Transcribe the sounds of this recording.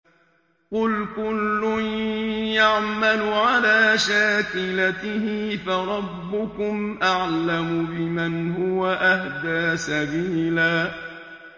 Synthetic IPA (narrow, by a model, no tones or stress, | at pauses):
qʊlkʊlːʊnjaʕmalʊʕalaːʃaːkɪlat̪ɪhɪfaɾˤɑbːʊkʊmʔaʕlamʊbɪmanhʊwaʔahd̪aːsabiːlaː